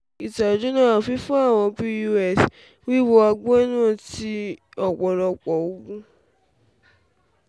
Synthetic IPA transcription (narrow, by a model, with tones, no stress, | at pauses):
i˨ta˨d͡ʒu˦nã˦a˦˨fi˦fũ˦a˦˨w̃ɔ̃˧pi˧ju˧ɛ˦˨s | wi˦˨wo˧a˧ɡ͡bo˦e˦nũ˦˨ti˧˦ɔ˨k͡pɔ˨ɾɔ˧k͡pɔ˨o˨˦ɡũ˦